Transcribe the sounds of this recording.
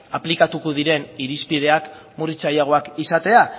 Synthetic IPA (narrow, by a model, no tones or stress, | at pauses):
aplikat̪uko̞ð̞iɾe̞niɾispið̞e̞ak | murit͡sajaɣ̞o̞akisat̪e̞a